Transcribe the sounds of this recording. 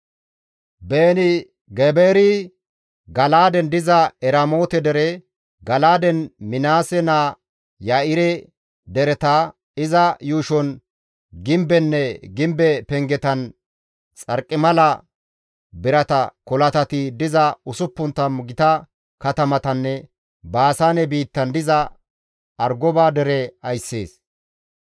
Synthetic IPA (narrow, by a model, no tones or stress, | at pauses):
beːnɪ | ɡɛbeːɾɪ | ɡɐlaːd̪ɛnd̪ɪzɐɛɾɐmo̞ːt̪ɛd̪ɛɾɛ | ɡɐlaːd̪ɛnmɪnaːsɛnaː | jaɪɾɛ | d̪ɛɾɛt̪a | ɪzɐjuːʃɔn | ɡɪmbɛnːɛɡɪmbɛpɛŋɡɛt̪ɐn | t͡sʼɐɾkʼːɪmɐlɐ | bɪɾɐt̪ɐkɔlɐt̪ɐt̪ɪd̪ɪzɐʊsʊpːʊnt̪ːɐmʊɡɪt̪ɐ | kɐt̪ɐmɐt̪ɐnːɛ | baːsaːnɛbiːt̪ːɐnd̪ɪzɐ | ɐɾɡɔbaːd̪ɛɾɛɐjsːeːs